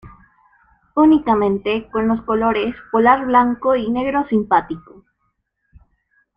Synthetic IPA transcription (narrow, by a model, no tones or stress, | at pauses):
unikamẽ̞nt̪ekonloskolo̞ɾeskolaɾβlaŋkoine̞ɣɾosimpat̪iko